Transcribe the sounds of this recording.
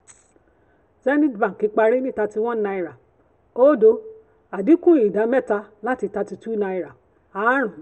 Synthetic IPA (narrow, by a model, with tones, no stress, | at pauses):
zɛ˦nĩ˦dbã˨ki˨˧˦k͡pa˧ɾe˦nĩ˦˨ta˧ti˧w̃ɔ̃˦na˧i˧ɾa˨ | o˦do˧˦ | a˨di˨˦kũ˦ĩ˨da˨˦mɛ˦˨ta˧la˦ti˧ta˧ti˧tu˦nã˧i˧ɾa˨ | a˨˦ɾ̃ũ˨